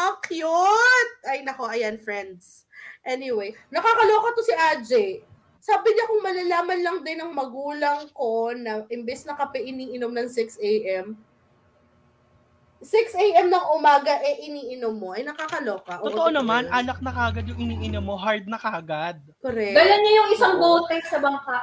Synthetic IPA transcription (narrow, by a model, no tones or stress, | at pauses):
ʔɐkjʊt̪̚ʔɐjnɐko̞ʔɐjanfɹɛnd̪s | ʔɛnɪwejnɐkakɐloːkɐt̪osɪʔad͡ʒɛj | saːbɪɲakʊŋmɐlɐlaːmɐnlɐŋd̪ɪnːɐŋmɐɡuːlɐŋko̞nɐʔɪmbɛsnɐkɐpɛʔɪniːʔɪnomnɐŋsɪksʔejʔɛm | sɪksʔejʔɛmnɐŋʔʊmaːɡɐʔɛʔɪniːʔɪnomːo̞ʔɐjnɐkakɐloːkɐʔoot̪oʔonɐmanʔaːnɐk̚nɐkaːɡɐd̪jʊŋʔɪniːʔɪnomːoɦaɹd̪̚nɐkaːɡad̪̚koɾɛkɡɐlanɲɐjʊŋɪsaŋboːt̪ɛsɐbɐŋkaʔ